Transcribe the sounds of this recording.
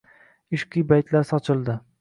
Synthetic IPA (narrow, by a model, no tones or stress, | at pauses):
ɪʃqʰijbajt̪laɾsɒt͡ʃʰɪlˠd̪ɪ